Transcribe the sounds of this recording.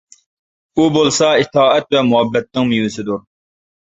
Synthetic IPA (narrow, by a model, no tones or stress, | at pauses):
ubolˠsɑit̪ʰɑːɛt̪vɛmʊɦɛbːɛt̪̚nːɪŋmijwɪsɪd̪uɾ